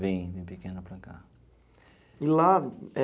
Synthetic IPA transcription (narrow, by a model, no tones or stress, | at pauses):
vẽj̃vẽj̃pekẽnʊpɾaka | ilaɛ